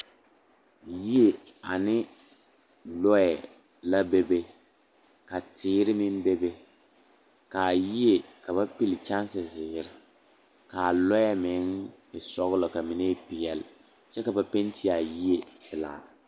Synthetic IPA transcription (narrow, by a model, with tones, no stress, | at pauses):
ji˦e˨ | a˨nɪ˦ | lɔ˦ɛ˨ | la˦be˦be˦ | ka˨tɪː˦ɾɪ˦mɪ˦n˦be˦be˦ | ka˨ji˦e˨ka˨βa˦pi˦lɪ˨t͡ʃa˦n˦sɪ˨zɪː˨ɾɪ˦ | ka˨lɔ˦jɛ˦mɪ˨˦ŋɪ˨sɔ˦ɣlɔ˨ka˨mɪ˨ne˦pɪ˨jɛ˨l | t͡ʃɛ˦ka˨ba˨pe˦n˦tʰi˦a˨ji˦e˨pɪ˨la̰ː˨